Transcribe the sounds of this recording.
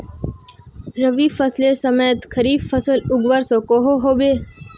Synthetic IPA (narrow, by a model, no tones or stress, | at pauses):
ɾəʋiːfəslesəmeːt̪kʰəɾiːffəsəlʊɡʋəɾsõkoɦoɦoːbeː